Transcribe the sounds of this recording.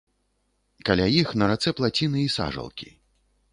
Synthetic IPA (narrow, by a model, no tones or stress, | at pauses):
kalʲajixnɐɾat̪sɛplˠat͡sʲinɨisa̰ʐɐ̰lˠkʲi